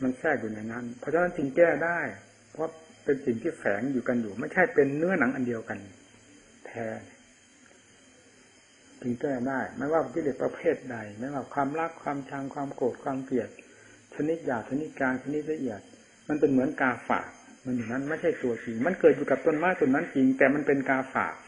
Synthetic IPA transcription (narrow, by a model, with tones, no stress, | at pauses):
ma˧nsɛː˥˩k̚juː˨˩na˧˩jna˦˧˥npʰɔ˧˥t͡ɕʰa˧˥˦na˦˥nt͡ɕɯ˧ŋkɛː˥˩daː˥˩j | pʰɔ˦˥pe˧nsi˨˩ŋt̪ʰiː˥˩fɛː˩˦ŋjuː˨˩ka˧njuː˨˩ma˧˥˩jt͡ɕʰa˥˩jpe˧nːɯ˥ɐna˩˦ŋʔa˧ndi˧əwka˧n | t̪ʰɛː˧ | t͡ɕɯ˧ŋkɛː˥˩daː˥˩jma˧˥˩waː˥˩pʰɔ˧˩kʰi˥˨e˧˩pɾa˧pʰeː˥˩t̪̚da˧jma˦˥˩waː˥˩kʰwaː˧mla˥˩kʰwaː˧mt͡ɕʰa˧ŋkʰwaː˧mkoː˨˩t̪̚kʰwaː˧mki˨˩ət̪̚ | t͡ɕʰa˧ni˦˥t̪̚jaː˨˩k̚t͡ɕʰa˧ni˦˥t̪̚kaː˧nt͡ɕʰa˧ni˦˥t̪̚la˧ʔi˨˩ət̪̚ | ma˧npe˧nmɯ˩˦ənkaː˧fa̰ː˨˩k̚ma˧njuː˨˩na˦˥nma˥˩jt͡ɕʰa˥˩jt̪u˧ɐt͡ɕi˧ŋma˧nkɤː˨˩t̪̚juː˨˩ka˨˩p̚t̪o˧˥˨nmaː˦˥˩t̪o˧˨na˦˥˨nt͡ɕi˧ŋt̪ɛː˨˩ma˧npe˧nkaː˧fa̰ː˨˩k̚